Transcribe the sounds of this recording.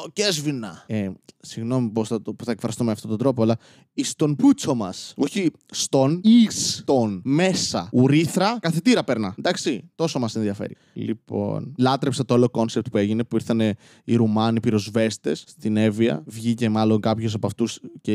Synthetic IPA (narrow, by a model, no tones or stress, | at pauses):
ocezvinɐesiɣno̞miposɐpuθɐekfɾɐst̪umeɐft̪ot̪ond̪ɾo̞poɐlɐ | ist̪o̞nput͡so̞mɐso̞çi | st̪o̞nist̪onme̞sɐuɾiθɾɐkɐθit̪iɾɐpe̞ɾnɐnd̪ɐksit̪o̞somɐse̞nðiɐfḛɾḭ | lḭpo̞̰nlɐt̪ɾepsɐt̪oolo̞ko̞nsep̚t̪̚pue̞ʝine̞puiɾθɐne̞ | iɾumɐnipiɾo̞zve̞st̪e̞st̪ine̞viɐ̰vʝice̞mɐlo̞ŋkɐpços̬ɐpɐft̪usce